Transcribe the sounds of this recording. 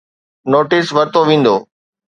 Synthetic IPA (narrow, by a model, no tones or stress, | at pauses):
noːʈɪsʋɐɾt̪oʋĩːn̆d̪oː